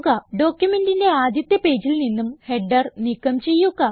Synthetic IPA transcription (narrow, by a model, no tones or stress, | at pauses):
ɣɐɖo̞ːkjume̞ndinde̞aːd̪jɐt̪jɐpe̞ːd͡ʑilninːumhe̞ɖːɐrnikːɐmt͡ɕe̞jːuɣɐ